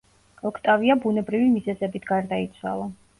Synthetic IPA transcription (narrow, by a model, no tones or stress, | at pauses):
ɔkʰt̪ʼaviabunɛbɾivimizɛzɛbit̪ʰɡaɾd̪ait̪sʰwa̰lˠa